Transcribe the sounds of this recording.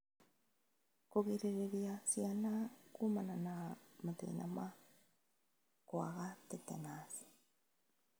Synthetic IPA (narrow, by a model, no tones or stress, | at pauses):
koɣiɾeɾeɾjasjianakumananamatḛina̰ma | kwa̰ɣatɛtɛ̰nasi̥